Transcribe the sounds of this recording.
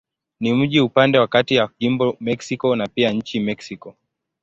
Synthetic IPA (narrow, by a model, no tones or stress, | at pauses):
nim̩ʄiupandɛwakatiaʄimbɔmɛksikɔnapiaɲ̩t͡ʃimɛksikɔ